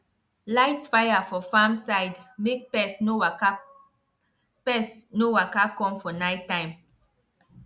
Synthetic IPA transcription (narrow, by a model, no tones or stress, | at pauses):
laɪtfajafɔfamsaɪdmek̚pɛsno | pɛsnowakakɔ̃mfɔnaɪtːãɪ̃m